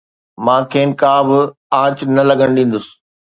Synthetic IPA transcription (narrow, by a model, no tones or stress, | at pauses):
mãːkʰeːnkaːbɪ | ãːt͡ɕnɐlɐɡʱəɽ̃ɗĩːn̆d̪ʊsɪ̥